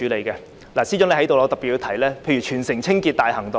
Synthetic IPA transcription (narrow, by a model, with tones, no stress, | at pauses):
yː˨˥le˨˧jkɛː˧ | laː˨˩siː˥t͡ʃœː˨˥le˧hɐ˨˥jt̪o˨wlɔː˧t̪ɐ˨˩pi˨˩t̚ji˧t̪ʰɐ˨˩jlɛː˥pʰe˧jɥyː˨˩t͡ʃʰyː˨˩nsɪ˨˩ŋt͡sʰɪ˥ŋkiː˧t̚t̪aː˨jhɐ˨˩ŋt̪o˨